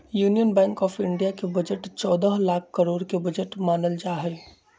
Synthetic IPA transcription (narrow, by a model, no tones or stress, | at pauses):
juːnijənbɛ̃ːŋkɔːpʰɪɳɖijakebəd͡ʒəʈt͡ʃɔːd̪əɦlaːk̚ʰkəɾoːɽkebəd͡ʒəʈmaːnəld͡ʒaːɦɛ